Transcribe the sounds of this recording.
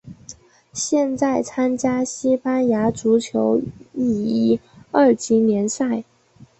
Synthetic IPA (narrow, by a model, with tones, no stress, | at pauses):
ɕjɛ˥˧nt͡sa˥˩ɪt͡sʰa˥nt͡ɕja˥ɕi˥pa˥nja˧˥t͡su˧˥t͡ɕʰjo˧˥ʊi˥˩i˥ə˞˥˩t͡ɕi˧˥njɛ˧˥nsa˥˩ɪ